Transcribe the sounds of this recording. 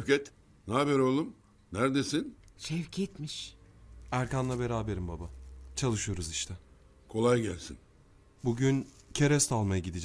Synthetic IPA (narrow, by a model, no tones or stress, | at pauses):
cɛt̪ | naabɛɾolˠum | næɾd̪esinʃɛvcʰet̪miʃ | æɾkanlˠabe̞ɾaːbe̞ɾimbabat͡ʃʰalˠɯʃɯjo̞ɾuziʃt̪ʰɛ | kʰo̞lˠajɟælʲsḭn | buɟyncʰe̞ɾɛst̪ʰalˠmajaɟid̪id͡ʒ